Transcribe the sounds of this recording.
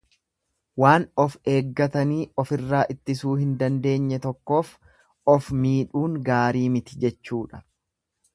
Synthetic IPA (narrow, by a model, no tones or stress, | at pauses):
waːnɔfe̞ːɡːɐt̪ɐniːɔfɪrːaːʔɪt̪ːɪsuːhɪnd̪ɐnd̪e̞ːɲːɛt̪ɔkːo̞ːf | ɔfmiːᶑuːŋɡaːɾiːmɪt̪ɪ̥d͡ʒɛt͡ʃːuːᶑɐ̥